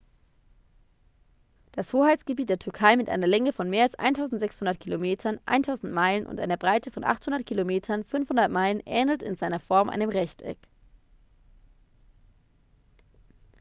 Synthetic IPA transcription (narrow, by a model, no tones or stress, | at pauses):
d̥ashoːhaɪtt͡sɡ̥əbiːt̚d̥eːɐtʰʏɐkʰaɪmɪtʔa̰ɪnɐlɛŋəfɔnmeːɐalsʔa̰ɪntʰaʊzn̩tz̥ɛkshʊndɐtkʰilomeːtʰɐnʔa̰ɪntʰaʊzn̩tmaɪlənʔʊ̰ntʔa̰ɪnɐbʁaɪtʰəfɔnʔa̰χthʊndɐt̚kʰilomeːtʰɐnfʏnfhʊndɐtmaɪlənʔɛ̰ːnl̩tɪ̰nzaɪnɐfɔɐmʔa̰ɪnəmʁɛçtɛ̰k